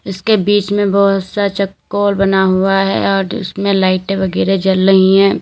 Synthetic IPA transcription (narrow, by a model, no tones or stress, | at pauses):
ɪskebiːt͡ʃmẽbɔːt̪sat͡ʃɐkːoːlbɐnaɦuaɦɛ̰ɔːɾʊ̰smẽlaːɪʈẽʋɐɡɛːɾed͡ʒɐlɾɐɦĩɦɛ̃ː